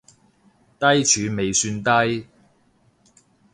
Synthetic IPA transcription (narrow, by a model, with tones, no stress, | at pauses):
t̪ɐ˥jt͡ʃʰyː˨˧me˨jsyː˧nt̪ɐ˥j